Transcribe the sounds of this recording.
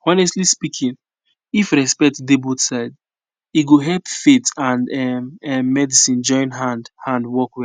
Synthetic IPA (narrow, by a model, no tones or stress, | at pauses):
ɔnɛstlispikʰĩn | ifɾɛspɛk̚tdebodsaɪd | iɡoɦɛlpfitãndɛmɛmːɛdisĩnd͡ʒɔ̃ɪ̃nɦãndhãndwɔkwɛ